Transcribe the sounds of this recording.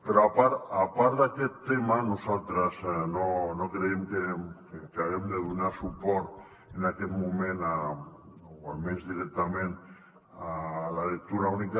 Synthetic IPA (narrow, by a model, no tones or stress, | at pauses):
peɾɔapaɾapaɾd̪akɛt̪ːemanuzalt̪ɾaznonokɾeemkekeaɣɛmd̪eðunasupɔɾt̪ | enakɛt̪mumẽna | oamezðiɾɛk̚t̪amẽn | alalek̚t̪uɾaunika